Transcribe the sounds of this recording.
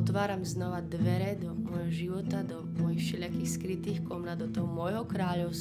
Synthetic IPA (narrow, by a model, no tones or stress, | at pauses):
ɔt̪ʋaːɾamznɔʋad̪ʋɛɾɛd̪ɔmɔjɦɔʒiʋɔt̪ad̪ɔmɔjixʃɛʎakiːxskɾit̪iːxkɔmnad̪ɔt̪ɔɦɔmɔjɦɔkɾaːʎɔʊs